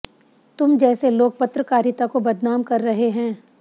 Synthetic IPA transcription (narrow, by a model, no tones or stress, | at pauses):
t̪ʊmd͡ʒɛːseloːk̚pɐt̪ɾəkaːɾɪt̪akobɐd̪naːmkɐɾːɐɦeɦɛ̃ː